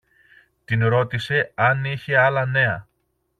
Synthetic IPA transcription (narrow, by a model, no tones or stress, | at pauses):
t̪inɾo̞t̪ise̞ɐniçe̞ɐlɐne̞ɐ̰